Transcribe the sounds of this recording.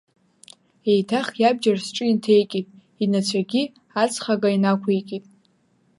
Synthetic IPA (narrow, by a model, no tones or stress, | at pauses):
e̞jtʰaχjabd͡ʒarsʈ͡ʂʼɨintʰe̞jkʼipʼ | inat͡ɕʷʰaɡʲi | at͡sʰʼχaɡainakʷʰejkʲʼitʼ